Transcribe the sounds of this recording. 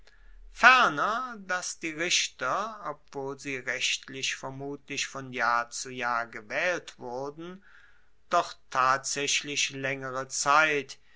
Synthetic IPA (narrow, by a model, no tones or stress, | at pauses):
fɛɐnɐdasd̥iːʁɪʃtɐɔp̚v̥oːlziːʁɛʃtlɪçfɛɐmuːtlɪçfɔnjaːɐt͡sujaːɐɡəvɛːltv̥ʊɐdn̩ | d̥ɔχtʰaːtz̥ɛʃlɪʃlɛŋəʁət͡saɪt